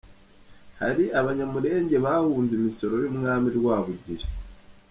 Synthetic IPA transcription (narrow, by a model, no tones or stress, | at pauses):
ha̰ɾiʔaβaɲamuɾe̞ːɲɟe̞βahuːnzimiso̞ɾo̞jumŋaːmiɾwaːβuɟiɾe̥